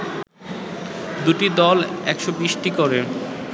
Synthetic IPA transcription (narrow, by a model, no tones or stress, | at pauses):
d̪uʈid̪ɔlɛkʃobiʃʈikoɾe